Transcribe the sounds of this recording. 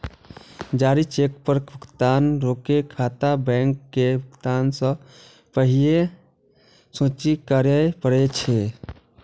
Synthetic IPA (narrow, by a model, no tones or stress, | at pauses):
d͡ʒaːɾit͡ʃek̚pəɾɡʱʊkt̪aːnɾoːkekʰaːt̪abɛ̃ŋkːebʱʊkt̪aːnsə̃ | pəɦie | sõːt͡ʃikəɾepəɾet͡ʃʰe